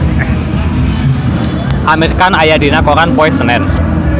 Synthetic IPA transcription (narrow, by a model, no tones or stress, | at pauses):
ʔameɾikanajadi̤nakɔkanpɔɛsənɛt̪